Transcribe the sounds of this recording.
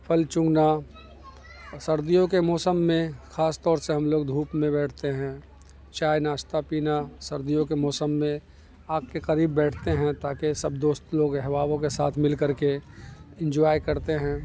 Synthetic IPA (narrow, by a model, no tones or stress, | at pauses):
pʰəlt͡ʃʊ̃ŋɡna | səɾd̪ijõkemɔːsəmːẽxaːst̪ɔːɾseɦɐmloːɡd̪ʱuːpmẽbɛːʈʰt̪eɦɛ̃ː | t͡ʃaːjnaːʃt̪apiːnasɐɾd̪ijõkemɔːsəmːẽ | aːkkeqəɾiːbːɛːʈʰt̪eɦɛ̃t̪aːkesɐbd̪oːst̪loːɡɦɛʋaːbõkesaːt̪ʰmɪlkəɾkeɪ̃nd͡ʒaːjkɐɾt̪eɦɛ̃ː